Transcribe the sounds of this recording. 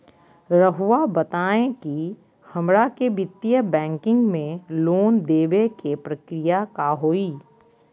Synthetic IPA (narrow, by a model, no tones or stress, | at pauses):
ɾəɦuwabət̪aːẽki | hɐmɾakebɪt̪ːijəbɛ̃ːŋkɪ̃ŋɡmẽloːnd̪eːʋekepɾəkɾɪjakaɦoːiː